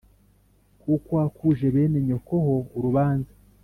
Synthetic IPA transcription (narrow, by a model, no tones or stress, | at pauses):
kukoakuʒe̞βe̞ːneɲo̞koɦo̞uɾuβaːnza